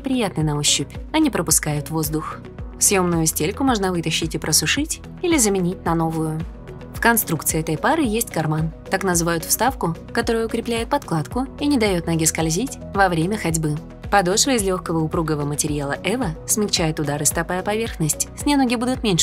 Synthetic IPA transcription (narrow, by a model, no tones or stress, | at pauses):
nʲɪpɾʲɪjat̪nɨnɐoɕːɪpʲɐnʲɪpɾəpʊskajʊt̪vo̞zd̪ʊx | fsjo̞mnʊjʊsʲtʲelʲkʊmo̞ʐnəvɨt̪əɕːɪtʲɪpɾʔəsʊʂɨtʲ | ilʲɪzəmʲɪnʲitʲnɐno̞vʊjʊ | fkɐnst̪ɾukt̪sɨɪɛt̪əjpaɾɨjesʲtʲkɐrmant̪aknəzɨvajʊt̪fst̪afkʊ | kɐt̪o̞ɾʊjʊkɾʲɪplʲæjɪt̪̚pɐt̪klˠat̪kʊinʲɪd̪ɐjo̞t̪nɐɡʲɪskɐlʲzʲitʲ | vɐvɾʲemʲəxɐdʲbɨ | pɐd̪oʂvəɪzlʲoxkəvəʊpɾuɡəvəmətʲɪɾʲɪjalˠəʔɛvəsmʲɪkt͡ɕæjɪt̪ʊd̪aɾɨst̪ɐpajəpɐvʲe̞rxnəsʲtʲsʲnʲɪnoɡʲɪbud̪ʊt̪mʲenʲʂ